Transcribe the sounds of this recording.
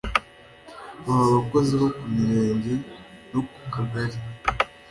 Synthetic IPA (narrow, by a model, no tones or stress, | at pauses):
βahaβako̞ziβokumiɾeːɲɟenoku̥kaɡaɾi